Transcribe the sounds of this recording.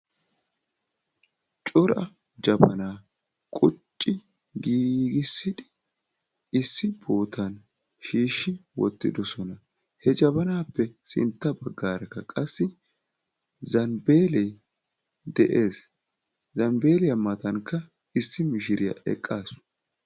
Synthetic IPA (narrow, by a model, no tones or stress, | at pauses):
t͡ʃʼɔɾɐ | d͡ʒɐbɐnaː | kʼʊt͡ʃʼːɪ | ɡiːɡɪsːɪd̪ɪ | ɪsːɪb̥o̞ːt̪ʰɐn | ʃiːʃːɪwɔ̰t̪ːɪ̰d̪ɔsɔnɐ | hɛd͡ʒɐbɐnaːpːɛsɪ̰nt̪ːɐbɐɡːaːɾɐkːɐkʼɐsːɪ | zɐnbe̞ːlɛj | d̪ɛʔe̞ːs | zɐmbe̞ːlɪjɐmɐt̪ɐŋkːɐ | ɪsːɪmɪʃɪɾɪjɐ̰ʔɛ̰kʼːaːs